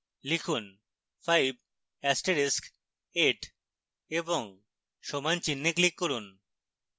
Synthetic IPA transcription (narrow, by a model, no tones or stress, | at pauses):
likʰun | fʰajb̚ | ɛsʈeɾisk | eʈ | eboŋ | ʃɔmant͡ɕinːeklikːoɾun